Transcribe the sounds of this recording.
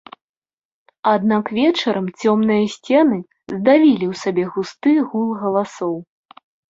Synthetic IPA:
ad̪nakvʲɛt͡ʂɐɾɐmt͡sʲɔmnɨjɐsʲt͡sʲɛnɨ | zd̪avʲilʲiwsabʲɛɣust̪ɨɣulˠɣɐlˠasɔw

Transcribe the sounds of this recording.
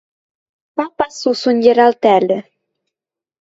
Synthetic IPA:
papasusunʲjeɾalt̪ɛlə

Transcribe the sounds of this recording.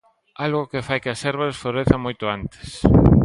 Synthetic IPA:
alɣʊkɪfajkɪɐsɛɾβasfloɾeθɐmojt̪ʊant̪ɪ̥s

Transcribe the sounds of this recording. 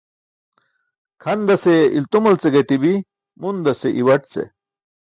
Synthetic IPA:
kʰɐnd̪ɐseilt̪umɐlt͡seɡeʈibi | mund̪ɐseʔiwɐʈt͡sḛ

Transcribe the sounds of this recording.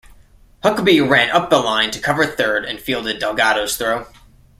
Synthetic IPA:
hʌkbiɨɹæ̃nʔʌp̚ðəlãɪ̃ntʰɨkʰʌvə˞θɜ˞ɾɨ̰̃nfilˠdɨdɛlˠɡɑɾoʊz̥θɹoʊ

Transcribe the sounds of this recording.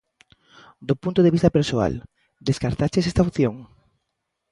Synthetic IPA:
d̪opunt̪oð̞eβist̪apeɾsoa̰l | d̪eskaɾt̪at͡ʃes̬ɛst̪awθjoŋ

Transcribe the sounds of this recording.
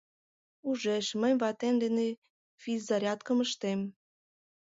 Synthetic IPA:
uʒeʃmə̆jβɑt̪end̪ene | fizɑɾʲɑt̪kə̆məʃt̪em

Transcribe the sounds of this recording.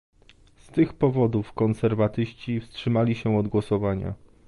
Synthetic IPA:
st̪ɘxpɔvɔd̪ufkɔnsɛɾvat̪ɘɕt͡ɕifstʂɘmalʲiɕɛɔd̪ɡwɔsɔvaɲa̰

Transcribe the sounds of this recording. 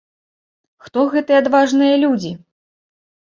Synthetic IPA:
xt̪ɔɣɛt̪ɨjɛad̪vaʐnɨjɐlʲud͡zʲi

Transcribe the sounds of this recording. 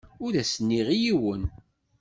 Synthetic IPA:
ʊɾæsənːiʁijiwən

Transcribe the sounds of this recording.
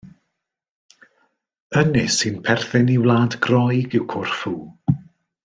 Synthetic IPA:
ənɪsɨnpʰɛrθɪniwlˠaːdɡrɔjɡɪwkʰʊrfuː

